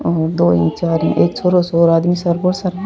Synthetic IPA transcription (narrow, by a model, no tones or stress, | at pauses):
ɔːɾd̪oːḭ̃ːt͡ʃaːɾĩːʔeːksoːɾosoːɾaːd̪misɐɾboɾsɐɾ